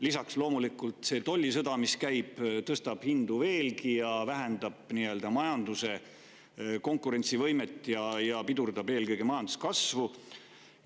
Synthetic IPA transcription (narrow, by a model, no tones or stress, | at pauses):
lisɑkslo̞ːmulikult̪se̞t̪olʲːisɤd̪̥ɑmiskæjb̥t̪ɤst̪ɑb̥hind̪̥uve̞ːlkijɑvæɦænd̪̥ɑb̥niø̞ld̪̥ɑmɑjɑnd̪use̞ | ko̞ŋkuɾe̞nʲt̪sivɤ̞jmet̪ːˑjɑjɑpid̪urd̪̥ɑbe̞ːlkɤjɡ̥emɑjɑnd̪̥uskɑsvu